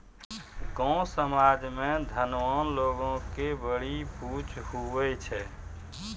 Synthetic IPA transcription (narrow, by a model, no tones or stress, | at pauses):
ɡɔ̃səmad͡ʒmed̪ʱənʋɔnloɡõkebəɽiput͡ʃʰɦuʋɛt͡ʃʰɛ